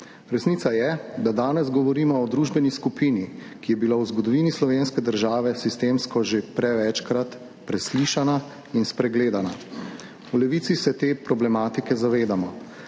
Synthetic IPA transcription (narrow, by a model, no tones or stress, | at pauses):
ɾɛsniːt̪sajɛd̪ad̪aːnɛzɡɔʋɔɾiːmɔɔd̪ɾuːʒbɛniskupiːni | kijɛbilawzɡɔd̪ɔʋiːnislɔʋeːnskɛd̪əɾʒaːʋɛsist̪eːmskɔʒepɾɛʋɛt͡ʃkɾat̪ | pɾɛsliːʃana | inspɾɛɡleːd̪ana | ulɛʋiːt̪sisɛt̪eːpɾɔblɛmaːt̪ikɛzaʋeːd̪amɔ